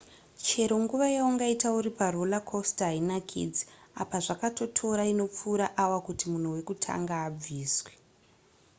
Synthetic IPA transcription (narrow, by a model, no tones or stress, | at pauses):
t͡ʃe̞ɾo̞ŋɡuʋajauŋɡaitauɾiparolakʰostɦainakʰḭd͡ziapaʐakato̞tʰo̞ɾaino̞p͡fuːɾaʔawakutimun̤uwe̞kutʰa̰ŋɡaːb͡viːswe